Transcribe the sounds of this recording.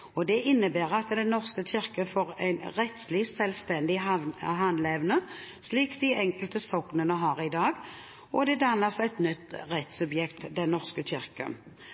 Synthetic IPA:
ɔd̪ɛʔɪnːəbæːʁɑt̪d̪ɛnːɔʁskəçɪʁkəfoːʁæ̰ɪnʁɛt̪slɪsɛlst̪ɛnd̪ɪɦɑnlɛʋnə | sliːkd̪ɪʔɛŋkəlt̪əsɔknənəɦɑʁɪd̪ɑːɡ | ɔd̪ɛd̪ɑnːəsæɪt̪nʏt̪ːʁɛt̪sʉbjɛkt̪d̪ɛnnːɔʁskəɕɪʁkə̰

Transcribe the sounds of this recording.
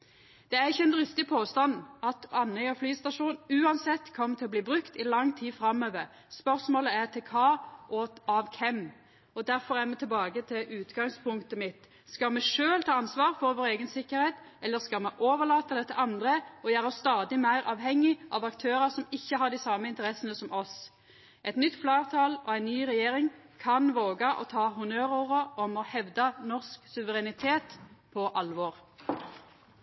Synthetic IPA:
d̪̥ɛæɾɪçːəɛnd̪ɾɪst̪ɪpʰoːst̪ɑnɑt̪ɑnːœʏɔflyːst̪ɑʂuːnʉːɑnsɛt̪ːkʰɔmːt̪ʰɪlɔbliːbɾʉkt̪ɪlɑŋːt̪ʰiːfɾɑmːøːʋəʁ | spœʁsmoːləæʁt̪ʰɪkʰɑːʔɔɑʋkʰɛm | ɔd̪æɾfɔɾæmɛt̪ɪlbɑːɡət̪ʰɪlʔʉːt̪ɡɑŋspʰʊŋt̪əmɪt̪ | skɑmɛʂøːlt̪ʰɑːɑnsʋɑːʁfɔɾʋoːɾeːɡənsɪkːəɾheːt̪ | ɛlːəʁskɑlmɛʔoːʋəlɑːt̪ɑd̪ɛt̪ʰːɛʔɑnd̪ʁəɔjæːʁəɔst̪ɑːd̪ɪmæɪʁʔɑːʋɦɛŋːɪʔɑːʋɑkt̪ʰøːɾəʁsɔmɪçːəɦɑʁd̪iɪsɑːməɪnt̪əʁɛsənəsɔmʔɔs | ʔɛɪt̪nʏt̪ːflɑːʁt̪ʰɑːlɔ̰æɪnnyːʁɛjeːʁɪŋ | kʰɑnʋoːɡɑʔɔ̰t̪ʰɑːɦʊnøːʁʊʁəɔmɔhɛʋd̪ɑnɔʁsksʉʋəʁɛnɪt̪ʰeːt̪pʰɔʔɑlʋoːʁ

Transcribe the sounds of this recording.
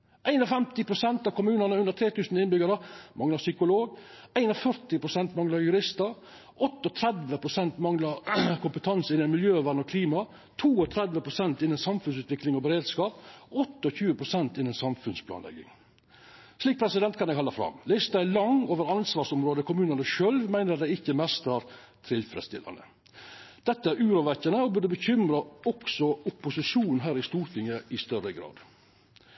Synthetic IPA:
ʔæɪnɔfɛmt̪ɪpʰɾʊsɛnt̪ɑʋkʊmʉːnənəʉnd̪ət̪ʰɾeːt̪ʉːsənɪnbʏɡəɾəmʔɑŋlɑsʏkʊloːɡæɪnɔfœɾt̪ɪpɾʊsɛnt̪mɑŋlɑɾjʉɾɪst̪əɾ | ɔt̪ːəɔt̪ʰɾɛd̪ʋəpʰɾʊsɛnt̪mɑŋlɑɾkʰʊmpət̪ʰɑnsɪnːɛnmɪljøːʋæɾnɔkʰliːmɑ | t̪ʰuːɔt̪ʰɾɛd̪ʋəpʰɾʊsɛnt̪ɪnɛnsɑmfʉnsʉːt̪ʋɪklɪŋɔbəɾeːd̪skɑːpɔt̪ːəɔçʉːəpʰɾʊsɛnt̪ɪnːɛnsɑmfʉnspʰlɑ̰ːnlɛ̰ɡːɪ̰ŋ | sliːk̚pʰɾɛsɪd̪ɛnt̪kʰɑnjɛɡhɑlɑfɾɑ̰mlɛːst̪æɪlɑŋoːʋəɾɑnsʋɑːʂʊmɾoːd̪əkʰʊmʉːnənəʃøːlʋmæɪnəɾɑt̪d̪æɪɪçːəmɛst̪ɑɾ | t̪ʰɾɪlfɾɛ̰d̪st̪ɪ̰lɑ̰nə̰ | d̪̥ɛt̪ːəæɾʉːɾʊʋɛçːənəɔbʉɖəbəçʏmɾɑɔksɔʊpːʊsɪʂuːnn̩ɦæːɾɪst̪uːɾt̪ʰɪŋːəɪst̪œɾəɡɾɑ̰ːd̪

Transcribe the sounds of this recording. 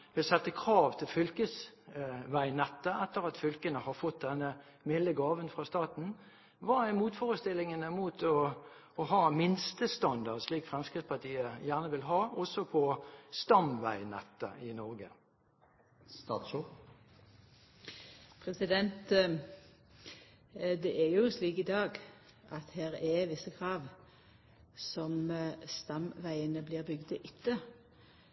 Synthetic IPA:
ʋɪlsɛt̪ːəkʰʁɑːʋt̪ʰɪlfʏlkəs | ʋæɪnɛt̪ːəʔɛt̪ːəʁɑt̪fʏlkənəhɑʁfɔt̪̚d̪ɛnːə | mɪlːəɡɑːʋənfʁɑst̪ɑːt̪n̩ | ʋɑːæɪmuːt̪foːʁəst̪ɪlːɪŋənəmuːt̪ʰɔː | hɑːmɪnst̪əst̪ɑnd̪ɑʁsliːkfʁɛmskʁɪspɑt̪ʰiːəjæːʁnəʋɪlɦɑːɔsɔpʰɔst̪ɑmʋæɪnɑt̪ːəʔɪnɔʁɡə | st̪ɑ̰ːt̪ʃu | pʰʁɛsɪd̪ɛnt̪ | d̪ɛʔɛjʊsliːkɪd̪ɑːɡ | ʔɑt̪hæːʁɛʋɪsːəkʰʁɑːʋ | sɔmst̪ɑmʋæɪənəbliːʁbʏɡd̪əʔʏt̪ːə

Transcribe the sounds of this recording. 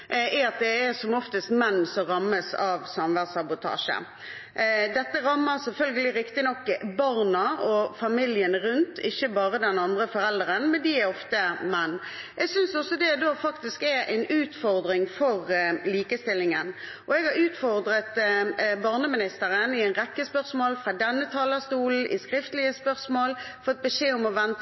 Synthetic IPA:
ɛɑt̪̚d̪ɛæsɔmɔft̪əst̪mɛnːsɔmʁɑmːəsɑʋsɑmʋæʁsɑbʊt̪ʰɑ̰ːʂə̰ | d̪ɛt̪ːəɾɑmːəɾsɛlfœlɡəlɪɾɪkt̪ɪnɔkːbɑʁnɑʔɔfɑmɪljənɾʉnt̪ʰɪçːəbɑːʁəd̪ɛnɑnd̪ʁəfɔɾɛld̪əʁənmɛnd̪ɪæɾɔft̪əmɛnː | ʔɛɡsʏnsɔsɔd̪ɛd̪oːfɑkt̪ɪskɛɾɛ̰ɪnʉːt̪fɔʁd̪ɾɪŋfɔʁliːkəst̪ɪlːɪŋən | ʔɔɛɡhɑɾʉːt̪fɔɾd̪ɾət̪bɑʁnəmɪnɪst̪əɾənɪɛɪnʁɛkːəspœʁsmoːlfɾɑd̪ɛnːət̪ʰɑːləst̪uːln̩ʔɪ̰skɾɪft̪əlɪəspœʁsmoːl | fɔɔɛt̪̚bəʂeːɔmɔʋɛnt̪

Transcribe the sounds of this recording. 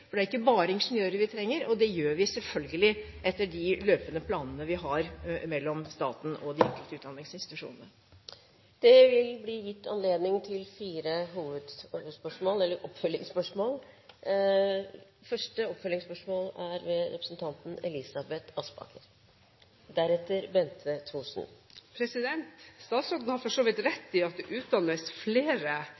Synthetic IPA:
ffɔɖɛæɾɪkːəbɑːɾəɪnʂənøːɾəɾʋɪt̪ʰɾɛŋːəɾɔd̪ɛjøːɾʋɪsɛlfœlɡəlɪʔɛt̪ːəɖɪløːpənəpʰlɑːnənəʋɪɦɑɾmɛlːɔmst̪ɑːt̪n̩ɔd̪ɪɛŋkəlt̪əʉːt̪̚d̪ɑnɪŋsɪnst̪ɪt̪ʉʂṵːnənə | d̪̥ɛʋɪlbliːjɪt̪ːɑ̰nleːd̪nɪŋt̪ʰɪlfiːɾəɦuːʋəd̪spœʂmoːlɛlːəɾʔɔpfœlːɪŋspœʂmoːl | fœʂʈəɔpːfœlːɪŋspœʂmoːlæɾʋɛɾɛ̰pɾəsn̩t̪ʰɑnt̪n̩ɛlɪsɑbɛt̪ʰɑspɑ̰ːkʰə̰ɾ | d̪æɾɛt̪ːəɾbɛnt̪ʰət̪ʰuːʂnpʰɾɛsɪd̪ɛnt̪st̪ɑːt̪sɾɔt̪n̩hɑɾfɔʂoːʋɪt̪ɾɛt̪ːɪɑt̪̚d̪ʉʔʉːt̪̚d̪ɑnəsfleːɾə

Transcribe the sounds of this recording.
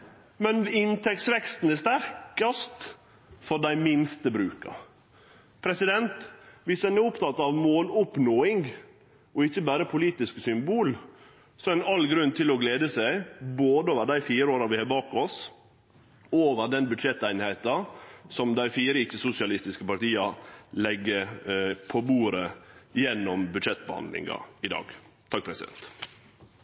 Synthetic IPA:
mɛnɪnt̪ʰɛksʋɛkst̪n̩ɛst̪æɾkɑst̪ | fɔɾɖæɪmɪnst̪əbɾʉːkɑ̰ | pʰɾɛsɪd̪ɛnt̪ʋɪsd̪ɛnɛʊpt̪ʰɑt̪ːɑʋmoːlʊpnoːɪŋɡ | ɔɪçːəbæːɾəpʰʊliːt̪ɪsksʏmbuːl | sɔɛnɑlːɡɾʉnːt̪ʰɪlɔɡleːd̪əsæɪboːd̪əoːʋəɾɖ̪æɪfiːɾəoːɾɑʋɪhɑbɑːkɔs | oːʋəɾɖ̪ɛnbʉd̪ʂɛt̪ːæɪnɪhæɪt̪ɑsɔmd̪æɪfiːɾəɪt͡ʃːəsʊsɪɑlɪst̪ɪskəpɑɾt̪iːɑlɛɡːəpʰɔbuːɾəjɛnːɔmbʉd̪ʂɛt̪ːbəhɑ̰nd̪lɪ̰ŋɑ̰ɪd̪ɑ̰ːɡ | t̪ʰɑk̚pʰɾɛsɪd̪ɛ̰nt̪

